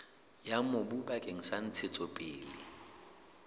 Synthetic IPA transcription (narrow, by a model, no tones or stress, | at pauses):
jamʊbubakʼeŋ̩san̩t͡sʰɪt͡sʼɔpʼɪːlɪ